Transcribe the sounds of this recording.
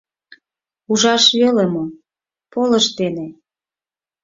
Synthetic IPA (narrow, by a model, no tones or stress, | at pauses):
uʒɑʃβelemo | polə̆ʃt̪ene